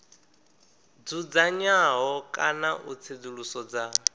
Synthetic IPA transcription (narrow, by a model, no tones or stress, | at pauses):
d͡zud͡zaɲaɦɔkʼanaʔut͡sʰed͡zuɺusɔd͡za